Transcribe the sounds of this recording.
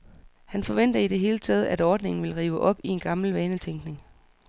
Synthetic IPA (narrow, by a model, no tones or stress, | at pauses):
hænfɒ̽ʋen̰d̥ɐiɾ̥e̝ɦe̝ːlət͡sʰɛːð̞̩ˠædɒːd̥ne̝ŋn̩ʋe̝lʁiːʊəʔɒ̽b̥ie̝nɡ̥ɑ̈ml̩ʋɛːnət͡sʰeŋɡ̥ne̝ŋ